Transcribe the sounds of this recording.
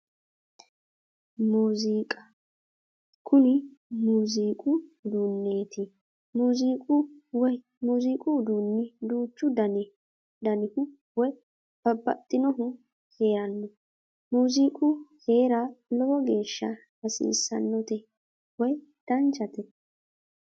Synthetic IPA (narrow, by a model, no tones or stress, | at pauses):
muːziːkʼɐ | kʰʊlɪmuːziːkʼʊd̪unːe̞ːt̪ɪ | muːziːkʼʊwɔj | muːziːkʼʊd̪uːnːɪd̪uːt͡ʃːʊd̪ɐn | d̪ɐnɪhʊ | wɔj | b̥ɐbːɐ̰t̪ʼːɪnɔɦʊ | he̞ːɾɐnːɔ | muːziːkʼʊhe̞ːɾɐlɔwɔɡe̞ːʃːɐ | hɐsḭːsːɐ̰nːɔt̪ɛ | wɔj | d̪̥ɐnt͡ʃɐt̪ɛ